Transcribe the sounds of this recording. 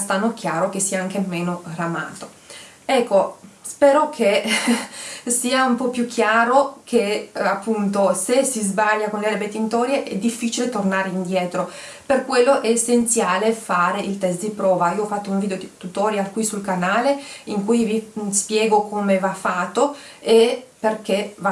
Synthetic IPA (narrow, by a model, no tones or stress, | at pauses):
st̪anːok̟jaːɾokesːiːaaŋk̟emeːnoɾama̰ːt̪o̥ | ɛkːo | spɛːɾokʰe | siːaumpɔpːjukʰːjaːɾokʰeapːunt̪osesizbaʎːakonleaɾebet̪ːeint̪ɔːɾjeʔɛd̪ifːit͡ʃilet̪ornaːɾeind̪jɛːt̪ɾo | perkwelːoʔɛesːent̪sjaːlefaːɾeilt̪ɛst̪d̪ipɾɔːvaiːoɔfːat̪ːouɱviːd̪eoit̪ut̪ɔːɾjakwisulkanaːleiŋkujvispjɛːɡokʰomevafːaːt̪ːoeperk̟eva